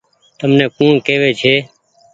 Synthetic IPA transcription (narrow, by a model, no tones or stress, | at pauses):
t̪əmnẽːkũːɳkeːʋeːt͡ʃʰeː